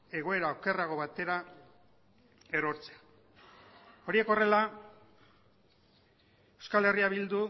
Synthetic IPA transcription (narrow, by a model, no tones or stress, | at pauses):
e̞ɣ̞o̞e̞ɾaoke̞raɣo̞βat̪e̞ɾa | e̞ɾo̞ɾt͡sea | o̞ɾie̞ko̞re̞la | ewskale̞riaβild̪u